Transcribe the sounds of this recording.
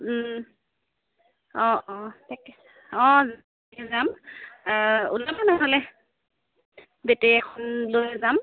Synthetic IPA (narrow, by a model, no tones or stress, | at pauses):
ɔ̃ɔtak | ɔ̃z | kɛzam | ulabanaɦɔlɛ | betɛɛkʰɔnlojzam